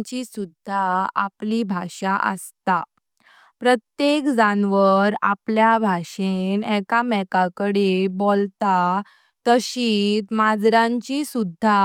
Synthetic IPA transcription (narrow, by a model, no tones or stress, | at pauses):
t͡ɕisud̪ʱːaaplibʱaʂaʔə̰st̪a | pɾət̪jekd͡zanʋəɾa̰pljabʱaɕenɛkamɛkakəɽebolt̪a | t̪əɕit̪mad͡zɾãɲt͡ɕisud̪ʱːa